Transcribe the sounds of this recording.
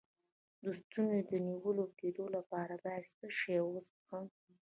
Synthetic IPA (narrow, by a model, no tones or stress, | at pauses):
d̪ust̪unod̪əniwəloked̪olapɑɾab̪ast̪əʃejawosxam